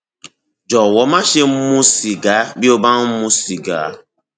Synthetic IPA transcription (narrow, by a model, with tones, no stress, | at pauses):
d͡ʒɔ˨wɔ˨˦ma˦ʃe˦m̩˦mu˦si˨ɡa˨˦bi˦o˦ba˦m̩˦mu˦si˨ɡa̰˨˦